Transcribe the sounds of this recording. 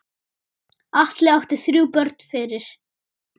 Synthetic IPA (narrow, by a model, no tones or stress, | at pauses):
aht̪lɛawht̪ɪθɾjuːpœɾt̪n̥fɪɾɪɾ̥